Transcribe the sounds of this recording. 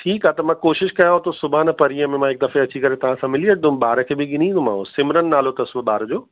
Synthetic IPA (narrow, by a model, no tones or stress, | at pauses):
ʈʰiːkaːt̪ɐmãːkoːʃɪʃkɐjãɦõt̪osʊbʱaːnpɐɾiəmẽmãɦɪk̚d̪ɐfeɐt͡ɕikɐɾet̪ɐʋ̤ãsãmɪliɐʈʰd̪ʊ̃mɓaːɾəkʰeːbɪɠɪnĩːnd̪omã̰ːosɪmɾənɪ̆naːlot̪ɐsʋəɓaːɾd͡ʑoː